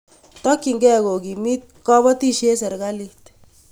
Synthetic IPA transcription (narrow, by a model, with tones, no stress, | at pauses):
tɔ˦kːi˨ŋɡɛ˦ko˨ki˨mi˦t̚kɔ˦bɔ˦ti˦ʃe˦sɛ˨ɾka˦li˦t